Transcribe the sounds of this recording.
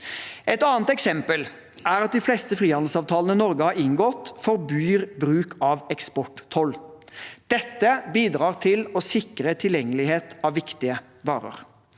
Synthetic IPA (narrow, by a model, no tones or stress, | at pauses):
ʔɛt̪ɑːnt̪ɛksɛmpəl | æɾɑt̪̚d̪ɪfleːst̪əfɾiːɑnl̩sɑːʋt̪ʰɑːlənənɔɾɡəhɑʁɪŋɡɔt̪fɔɾbyːɾbɾʉːkʰɑʋɛkspɔʈt̪ʰɔld̪̥ɛt̪ːəbiːd̪ɾɑːʁt̪ʰɪlɔsɪkɾət̪ʰɪljɛŋːəlɪheːt̪ɑʋːɪkt̪ɪə | ʋɑ̰ːɾə̰ɾ